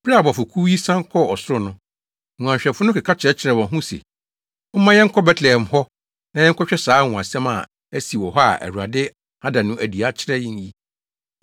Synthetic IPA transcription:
b̥a˨bɔ˨fʊ˨kʰu˦ji˦sã˦ŋ˦kʰɔ˦ɔ˨sʊ˦ɾʊ˦nʊ̃˦ | ŋũ˨ã˨ɲɕᶣɛ˨fʊ˦nʊ̃˦kɪ˨kʰa˦t͡ɕʰɾɛ˦t͡ɕʰɪ˨ɾɛ˨wɔ̃˨ɦũ˦sḛ˨ | ʊ̃˦mã˦jɛ̃˦ŋ̩˦kʰɔ˦bɛ˦tʰlɛ˨ɛ˨m̩˨hɔ˦ | nã˨jɛ̃˦ŋ̩˦kʰɔ˦ɕᶣɛ˦saː˨˦ŋɔ̃˨ã˨sɛ̃˦ma̰˨ | æ˦si˨wɔ˨ɦɔ˦a̰˨ʔæ̰˨ɾu˨ɾa˨dɪ˦ | a˦dã˨nʊ̃˦ʔæ˨di˨a˦t͡ɕʰɪ˦ɾɛ˦jɪ̃˦ɲ˦ji˦

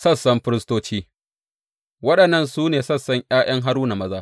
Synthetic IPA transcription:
sɐ˦˨sːɐ˦mɸɪ˦ɾɪ˦stoː˦t͡ʃiː˦ | wɐ˦ɗɐ˨nːɐ˦˨nsuː˦neː˨sɐ˦˨sːɐ˦ɲʔj̰aː˦j̰ɐ˦ŋɦa˦ɾuː˦na˨mɐ˦zaː˦

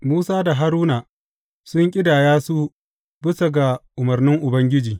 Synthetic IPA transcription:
muː˦saː˦da˨ɦa˦ɾuː˦naː˨ | sʊ˦ŋkʲʼɪ˦daː˨jaː˦su˦ | bɪ˦sɐ˨ɡa˨ʔʊ˨mɐ˨rnɪ˦ŋʔʊ˨bɐ˦ŋɡʲɪ˦d͡ʒiː˨

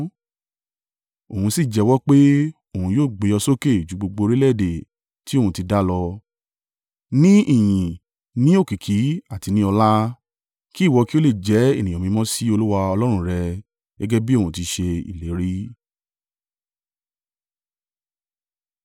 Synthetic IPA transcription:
o˨hũ˧si˦˨d͡ʒɛ˨˧wɔ˦k͡pe˦ | o˦˨ũ˧joː˦˨ɡ͡be˨˧ɔ˧so˦ke˦˨d͡ʒu˨˧ɡ͡bo˧ɡ͡bo˧ɾi˦lɛ˦˨de˨ | ti˦o˦˨ũ˧ti˧da˦lɔ˧ | nĩ˦i˦˨jĩ˨ | nĩ˦o˦˨ki˨kʰi˨˦a˦˨ti˧nĩ˦ɔ˧la˦ | ki˦˨wɔ˧ki˦o˦le˦˨d͡ʒɛ˨˦e˦˨nĩ˨ɔ̃˨mĩ˧mɔ̃˦si˦o˧lu˦wa˧ɔ˧lɔ˦ɾ̃ũ˦ɾɛ˧ | ɡɛ˦ɡɛ˦bi˦õ˦˨ũ˧˨t̬i˧ʃe˧ḭ˨le˨˦ɾi˦

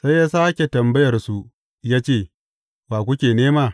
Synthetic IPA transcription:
sa˦jːaː˦saː˦kʲe˨tɐ˨mbɐ˦jɐ˨rsu˨ | jaː˦t͡ʃeː˦˨ | baː˨kʷʊ˦kʲeː˨neː˦maː˦˨

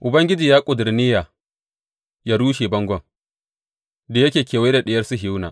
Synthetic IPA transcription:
ʔʊ˨bɐ˦ŋɡʲɪ˦d͡ʒiː˨jaː˦kʷʼʊ˨dɪ˨ɾnɪ˦ja˨ | jaː˦ɽuː˦ʃe˨bɐ˦ŋɡʷɔ˦˨ŋ | da˨jɐ˦kʲeː˨kʲeː˨we˦da˨ɗɪ˨jɐ˦rsu˦ɦna̰ː˨ʔ

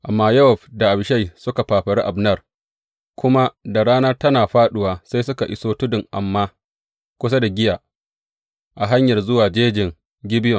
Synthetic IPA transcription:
ʔa̰˨mːaː˦jɐ˦wɔ˨ɸda˨ʔa˨bʃa˦jsʊ˦ka˨ɸaː˨ɸɐ˨ɽi˦ʔa˨bnɐ˦˨r | kʷʊ˦ma˦da˨ɽaː˦nɐ˦rtɐ˦naː˨ɸaː˦ɗʊ˦waː˨sa˦jsʊ˦ka˨ʔɪ˦soː˦tʊ˦dɪ˨ŋʔa˨mːaː˦ | kʷʊ˦sa˦da˨ɡʲɪ˦ja˨ | ʔa˨ɦa˦ɲjɐ˨rzʊ˦waː˨d͡ʒeː˦d͡ʒɪ˨ŋ | ɡʲɪ˦bɪ˦jɔ˨ŋ

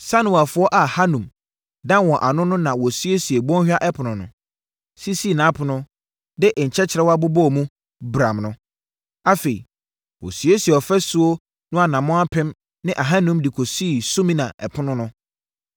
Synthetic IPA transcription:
sa˦nʊ̃˨a˨fʊ˨˦ɔ˦ʔa˨ha˦nũ˨m | dã˦n˦wɔ̃˨ʔa˨nʊ̃˦nʊ̃˦nã˨wɔ˨sɥe˦si˨e˨bɔ̃˦n˦hᶣa˦ʔɛ˦pʰʊ˨nʊ̃˨nʊ̃˨ | si˦si˦˨nã˨˦pʰʊ˨nʊ̃˦ | dɪ˦ʔɲ̩˨t͡ɕʰɛ˦t͡ɕʰɪ˨ɾɛ˦wa˦bʊ˦bɔ˦˨mũ˦ | bɾã˨mnʊ̃˦ | a˦fe˨ḭ˨ | wɔ̰˨sɥe˦si˨ɛ˨ɔ˨fɛ˦su˦o˦ | nʊ̃˦a˨nã˨mʊ̃˦a˦pʰɪ̃˦m | nɪ̃˦ʔa˨ɦa˦nũ˦mdi˨kʰo˨si˦˨sʊ˦mĩ˦nã˨ʔɛ˨pʰʊ˦nʊ̃˦nʊ̃˦

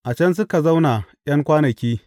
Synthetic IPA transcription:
ʔa˨t͡ʃɐ˦ns̬ʊ˦ka˨za˦wna˨j̰ɐ˦ŋkʷaː˦nɐ˨kʲiː˦

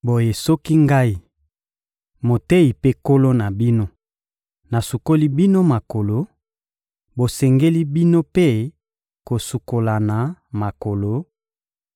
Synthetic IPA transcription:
bo˨je˨sɔ˦ki˦ŋɡa˦i˦ | mo˨te˦i˨pe˦ko˦lo˦na˨bi˦no˦ | na˨su˨ko˦li˦bi˦no˦ma˨ko˨lo˨ | bo˨sɛ˨ŋɡe˦li˦bi˦no˦pe˦ | ko˨su˨ko˨la˨na˨ma˨ko˨lo˨˦

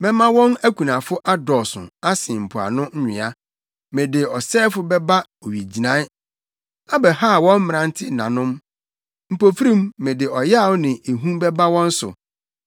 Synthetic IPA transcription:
mɛ̃˦mã˦wɔ̃˦næ˦kʰʷu˨nã˨fʊ˦ʔa˦dɔ˨sʊ̰̃˨a˦sɪ̃˨m̩˨pʰʊ˨a̰˨nʊ̃˦n̩˦ɲᶣɪ̰̃˨a˦ | mẽ˨dɪ˨ɔ˨sɛː˦fʊ˦bɛ˦ba˦ | o˨ɥi˨d͡ʑi˨nã˦ | a˦bɛ˨ha˦˨wɔ̃˦m˦mɪ̃˨ã˦n˦tʰɪ˦˨nã˨nʊ̃˦m | m̩˨po˨fɾĩ˦mːẽ˨dɪ˨ɔ˨ja˦˨wnɪ̃˨e˨ɦũ˦bɛ˦ba˦wɔ̃˦n̩˦sʊ̰˨

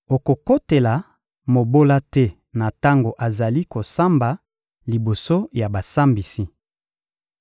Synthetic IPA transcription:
o˨ko˨ko˦te˨la˨ | mo˨bo˦la˦tɛ˦ | na˨ta˦ŋɡo˨ʔa˨za˨li˦ko˨sa˦mba˨ | li˨bo˨so˦ja˨ba˨sa˦mbi˨si˦

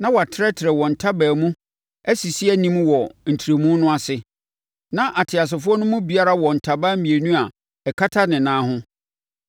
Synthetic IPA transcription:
nã˦wɔ˨a˨tʰɪ˦ɾɛ˦tʰɪ˨ɾɛ˨wɔ̃˨n̩˨tʰa˦bæː˨mũ˦ | æ˦si˨si˦æ˦nĩ˦mwɔ˨n̩˨tʰi˨ɾe˨mũ˦nʊ̃˦a˦sɪ˨ | nã˦ʔa˨tʰɪ˨a˨s̬ɪ˨fʊ˦ɔ˦nʊ̃˦mũ˦bi˨a˦ɾa˦wɔ̃˨n̩˨tʰa˨baː˦mĩ˨e˨nũ˦a˨ | ɛ˨kʰa˦tʰa˦nɪ̃˨nãː˦ɦʊ̃˦

